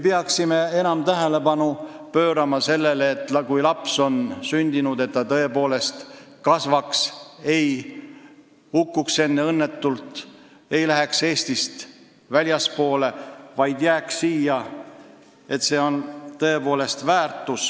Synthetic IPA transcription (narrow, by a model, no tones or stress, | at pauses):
mepeɑksime̞e̞nɑmt̪æɦele̞pɑnu | pø̞ːɾɑmɑse̞lːeleːt̪ːˑkujlɑpso̞nsynʲd̪inud̪e̞t̪ːɑt̪ɤ̞e̞poːle̞st̪kɑsvɑkse̞j | hukːukse̞nːeɤnːe̞t̪ːult̪ | ejlæɦe̞kse̞ːst̪ist̪ | vælʲjɑspo̞ːle̞vɑjd̪̥jæːkssiːjɑ | e̞t̪se̞ːo̞nt̪ɤ̞e̞po̞ːle̞st̪væːrt̪ːˑus